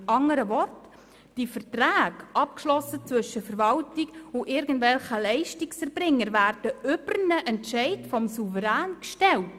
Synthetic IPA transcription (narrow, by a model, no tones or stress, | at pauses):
ɑŋəɾəvɔrt | d̥ifərtraːɡʔɑpkʃlɔsət͡svʏʃəfəɾvɑltikʊʔɪɾɡən̩dvɛlχəlɛɪʃtiksɛɾb̥ɾɪŋːəɾvæːɾd̥əʏb̥ɾnəʔɛntʃɛɪtfɔmsuvəɾæːnkʃtɛlt